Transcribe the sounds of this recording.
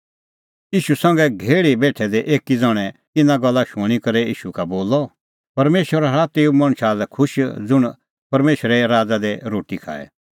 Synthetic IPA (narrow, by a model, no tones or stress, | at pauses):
iːʃusɐ̃ŋɡɛɡʱeːɭibeːʈʰɛd̪eʔeːkid͡zɐɽ̃ɛ | ɪnãɡɐlːaʃʊɽ̃ikɐɾɛiːʃukaboːlɔ | pɐɾmeːʃəɾaɾaːt̪eumɐɽ̃ʃaːlɛkʰʊʃd͡zʊɽ̃ | pɐɾmeːʃɾɛɾaːd͡zad̪ɛɾoːʈikʰa̰ːɛ̰